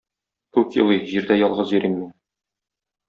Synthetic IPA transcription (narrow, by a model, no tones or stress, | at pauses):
kʉkjɤ̰lˠɤjʑiɾd̪æjɒlˠʁɤzjɵ̆ɾimːin